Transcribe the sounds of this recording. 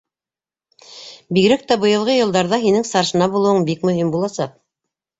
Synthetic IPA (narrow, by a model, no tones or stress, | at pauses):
biɡɾæk̚t̪æbɤ̆jɤ̆lˠʁɤjɤ̆lˠd̪ɑɾðɑɦinɘŋsɑɾʃɤ̆nɑbulˠɤwɤɴbikmɵ̆himbulˠɑsɑq̚